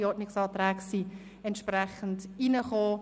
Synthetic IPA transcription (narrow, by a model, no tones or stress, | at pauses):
ɔtnɪksɑːtɾɛːksi | ɛntʃpɾɛχən̩dinəχoː